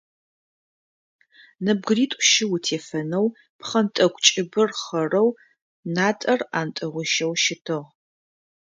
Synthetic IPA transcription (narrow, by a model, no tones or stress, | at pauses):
nɐb̚ɡriːtʼʷʃɪwʊtʰeːfɐnɐw | pχɐntʼɐɡʷʰʼt͡ʃʼɪbɨrχɐrɐw | naːtʼɐraːntʼɐʁʷʊʃɐwʃɪtʰɨʁ